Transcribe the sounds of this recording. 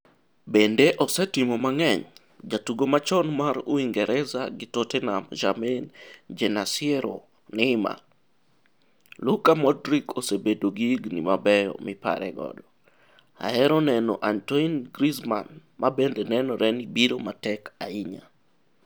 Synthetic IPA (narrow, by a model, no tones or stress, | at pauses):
bendeʔɔsɛtɪmomaŋɛɲ | d͡ʒatuɡomat͡ʃɔnmaɾuiŋɡɛɾʔɛzaɡɪtotɛnamd͡ʒamend͡ʒɛnasɪɛɾo̰ | nɛɪma̰ | lukamɔdɾikʰosebedoɡiɡnḭmabɛjɔ̰mɪpa̰ɾɛ̰ɡɔ̰dɔ | a̰ɛɾɔnɛnɔ̰ʔantoinɡɾizma̰nmabendenɛnɔɾɛnibiɾomatɛkaiɲa̰